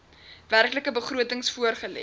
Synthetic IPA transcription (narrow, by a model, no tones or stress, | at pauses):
værkləkəbəχruətəŋsfuərχəlɛ̰